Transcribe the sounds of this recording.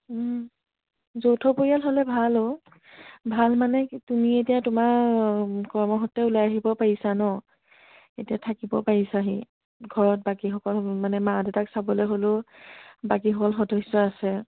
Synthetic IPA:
zowtʰɔpoɹijalɦolɛbʱalo | bʱalmanɛtumietijatʊmaɹ | kɔɹmɔɦɔtːɛulajaɦibɔpaɹisanɔ | etiatʰakibɔpaɹisaɦḭ | ɡʱɔɹɔt̚bakixɔkɔlmanɛmadɛtaksabɔlojɦolʊ | bakixɔkɔlxɔdesːɔasɛ

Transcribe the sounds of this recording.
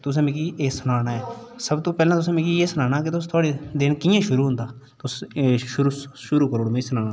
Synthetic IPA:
t̪ʊs̬ẽmɪkiʔeːsʊnaːɽaːɛːsəbt̪oːpɛːlãːt̪ʊsẽːmɪkieːsʊnaːnaːket̪ʊst̪ʰaːɽed̪ɪnkijãːʃʊɾuːɦʊ̃nd̪aː | t̪ʊsʃʊɾuʃʊɾuːkəɾoːɽmẽsənaːnaː

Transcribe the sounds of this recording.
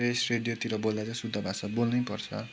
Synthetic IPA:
esreɖijot̪iɾʌbold̪at͡sʌ̃sud̪ʱːʌbʱasʌbolnʌjpʌrt͡sʰʌ̰

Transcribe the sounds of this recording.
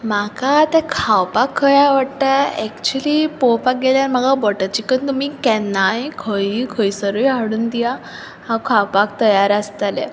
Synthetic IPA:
makat̪ɛ̃kʰawpakʰːəjaʋəɽʈ̪aɛkt͡ɕulipɔwpak̚ɡeljaɾməɡabɔʈət͡ɕikənt̪umiːkɛnːajkʰəikʰəjisəɾəjɦaɽuːnd̪ija | hawkʰawpak̚t̪əjaɾast̪alḛ

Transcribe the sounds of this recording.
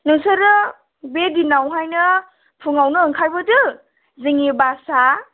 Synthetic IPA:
nɯŋsɐɾɯ | bedinawɦajnɐ | pʰuŋawnɯːŋkʰajbɐtɯ | ziŋibasa

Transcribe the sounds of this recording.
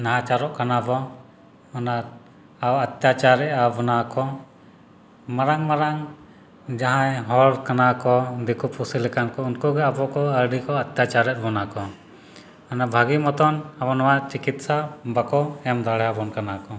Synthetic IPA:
naat͡ʃaɾɔʔkanabɔ | ɔna | awat̪jat͡ʃaɾɛʔabɔnakɔ | maɾaŋmaɾaŋ | d͡ʒaɦãjɦɔɽkanakɔd̪ikupusilɛkankɔunkuɡɛabɔkɔəɾɖikɔɐt̪jat͡ʃaɾɛʔ̚bɔnakɔ | ɔnabʱaɡimɔt̪ɔnabɔnwat͡ʃikit̪sabakɔɛmd̪ʱaɽɛjabɔnkanakɔ

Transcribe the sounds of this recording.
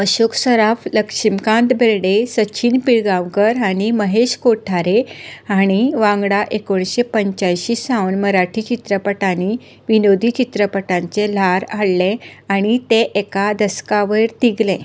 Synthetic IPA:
əɕoksəɾafləkʂimkãnd̪bʱeɾɽesət͡ɕiːnpiɾɡãʋɡəɾaɽ̃iməɦeɕkoʈʰaɾeaɽ̃iʋãŋɡɽaʔekoɳɕepəɲt͡ɕajɕiːsãənməɾaʈʰiːt͡ɕit̪ɾəpəʈani | ʋinod̪ʱit͡ɕit̪ɾəpəʈãɲt͡selaɾaɽleaɽ̃it̪eʔekad̪əskaʋəjɾt̪iɡlẽ

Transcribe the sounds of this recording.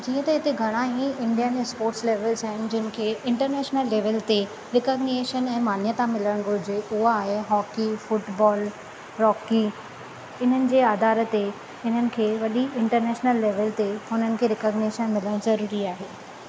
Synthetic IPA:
d͡ʑĩːə̃t̪ɐɦɪt̪eɡʱɐɽ̃aːĩɪ̃ɳɖijaẽspoːɾʈsleːʋəlzaɦɪnɪ̆d͡ʑɪnɪ̆kʰeːʔɪ̃ɳʈəɾneːʃnəlːeːʋəlt̪e | ɾɪkəːɡneːʃənɛ̃ːmaːn̤jət̪amɪləɽ̃ɡʱʊɾɪd͡ʑeʔʊɦaːɦeɦɔːkifʊʈbɔːl | ɾɔːki | ɪn̤ənɪ̆d͡ʑeːaːd̪aːɾə̆t̪e | ɪn̤ənɪ̆kʰeːʋɐɗiɪ̃ɳʈəɾneːʃnəlːeːʋəlt̪eʊn̤ənɪ̆kʰeːɾɪkəɡneːʃənmɪləɽ̃zɐɾuːɾiaːɦeː

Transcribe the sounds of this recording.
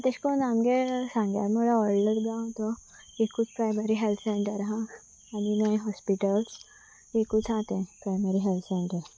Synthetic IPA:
t̪eskonaːmkesãŋɡa̰ːmoɾaɔːɾɖəɽɡãt̪o | jekːʊt͡ʃʰpɾaːɪmeɾiɦɛlt̪ʰsɛ̃ɳʈəɾɦã | aninəẽɦɔːspɪʈəls | jekːʊt͡ʃʰãːt̪eɛ̃pɾaːɪmeɾiɦɛlt̪sẽɳʈə

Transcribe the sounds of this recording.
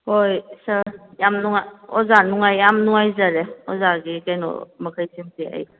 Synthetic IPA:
hojsajamnuŋaɔzanuŋajamnuŋajzaɾeɔ̰zaɡikajnɔ̰makʰajsʰimtia̰j

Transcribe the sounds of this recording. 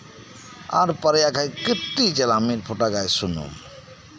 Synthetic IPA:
a̰ɾpaɾejakʰajkət̪ːit͡ʃɛlamiɾpʰoʈaɡajsunṵm

